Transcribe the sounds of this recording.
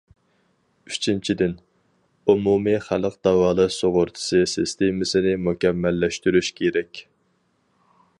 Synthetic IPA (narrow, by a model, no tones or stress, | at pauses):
yt͡ʃʰint͡ʃʰid̪ɪn | umumiχæləqd̪̥ɑwɑːlˠɨsoʁʊɾt̪ʰɨ̥sɨsɪst̪emɪsɪnɪmukʲɛmːɛlːɛʃt̪yɾyʃkʲʰeɾɛkʲ